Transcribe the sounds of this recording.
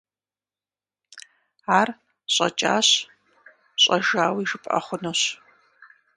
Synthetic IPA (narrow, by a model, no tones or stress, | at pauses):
aːr | ɕʼɐ̰t͡ʃʼa̰ːɕ | ɕʼɐʒaːwiːʒɨpʼɐ̰χʷʊnoɕ